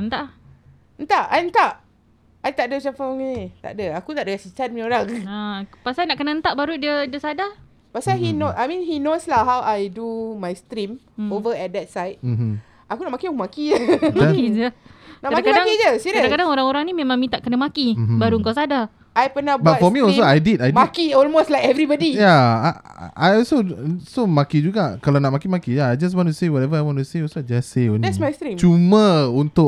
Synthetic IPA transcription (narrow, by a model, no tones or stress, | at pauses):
ənt̪aʔ | ənt̪aʔajənt̪aʔ | ajt̪aʔdət͡ʃafaŋinit̪a̰ʔdəakut̪aʔdəɡasit͡ʃanmĩoɾaŋapasajnaʔkənaənt̪aʔbaɾudiədiəsada | pasaɦinoajmĩnɦinoslaɦawʔajdumajst̪ɾim | ovəɛt̚dɛt̚sajt̚ | ʔakunaʔmakiakmakid͡ʒəakid͡ʒəknaamakamdaŋkid͡ʒəsidkaədakadaŋoɾaŋoɾaŋnimẽmãŋmĩt̪aʔkənamakim̩baɾuəŋkasada | ajpənabbafɔmĩɔls̬oajdidajdmakiɔlmoslajkɛvɾibɔdijaa̰ | ʔajɔlsosomakid͡ʒuɡaʔkalanaʔmakimakijaajd͡ʒas̬wɔ̃ntusewɔtɛvəajwɔ̃ntuseɔsoad͡ʒaseɔndɛsmajstɾĩmt͡ʃumãunt̪ʊ